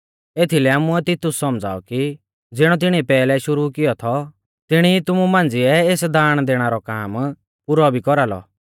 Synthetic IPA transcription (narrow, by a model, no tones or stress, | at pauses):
eːt̪ʰilɛaːmuɛt̪ɪt̪ːʊsːɔmd͡za̰ːɔki | d͡zɪɽ̃ɔt̪̬ɪɽ̃iɛpɛːlɛʃʊɾukɪjɔt̪ʰɔ | t̪ɪɽ̃it̪ʊmumãːnd͡zɪɛeːsd̪aːɽ̃d̪eːɽ̃aɾɔkaːm | pʊɾɔbʱikɔɾalɔ̰